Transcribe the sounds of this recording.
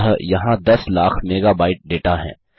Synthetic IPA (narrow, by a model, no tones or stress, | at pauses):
ɦjɐɦãd̪ɐslaːkʰmeːɡaːbaːɪʈ̚ɖeːʈaɦɛ̰̃ː